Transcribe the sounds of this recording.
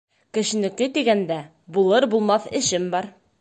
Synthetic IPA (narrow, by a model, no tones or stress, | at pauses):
kɘ̆ɕɘ̆nɘ̆kɘt̪iɡænd̪æ | bulˠɤɾbulˠmɑθɘ̆ɕɘmbɒɾ